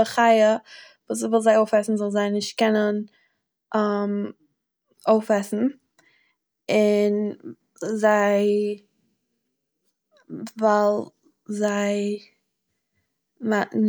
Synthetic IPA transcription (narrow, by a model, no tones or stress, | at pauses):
əχaɪə | vuːs̬vɪlˠzaɪoʊfɛsn̩zɔlˠzaɪnɪʃt̚kɛnən | am | oʊfɛsn̩ | ɪn | zaɪ | valˠ | zaɪ | man